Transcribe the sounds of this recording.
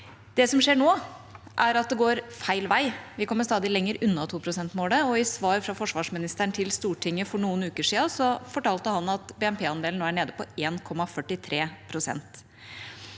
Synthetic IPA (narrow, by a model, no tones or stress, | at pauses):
d̪̥ɛsɔmʂeːɳoː | ʔæɾɑt̪̚d̪ɛɡoːɾfæɪlʋæɪʋɪkʰɔmːəst̪ɑːd̪ɪlɛŋːəɾʉnːɑt̪ʰuːpʰɾʊsɛnt̪moːləɔɪsʋɑːɾfɾɑfɔʂʋɑːʂmɪnɪst̪æɳt̪ʰɪlst̪uːʈʰɪŋːəfɔɳuːənʉːkəʂiːɑsɔfɔʈʰɑːlt̪əhɑnɑt̪bɛːɛmpʰeːɑnd̪eːln̩oːæɳeːd̪əpɔeːnkʰɔmːɑfœʈɪt̪ʰɾeːpʰɾʊsɛ̰nt̪